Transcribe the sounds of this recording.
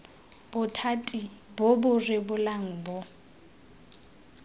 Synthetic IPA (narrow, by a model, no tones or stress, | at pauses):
b̥ʊtʰatʼibʊbʊrɪbʊlaŋ̩bʊ